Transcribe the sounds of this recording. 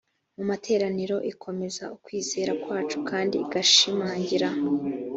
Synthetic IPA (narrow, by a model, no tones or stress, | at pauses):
mumatʰe̞ːɾaniɾo̞ʔikʰo̞me̞zaukwiːze̞ːɾakwaːt͡ʃu̥kʰaːndḭɡaʃimaːɲɟiɾa